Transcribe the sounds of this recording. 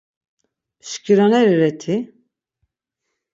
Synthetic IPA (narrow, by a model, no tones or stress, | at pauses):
ʃkʲʰiɾanɛɾiɾɛt̪ʰi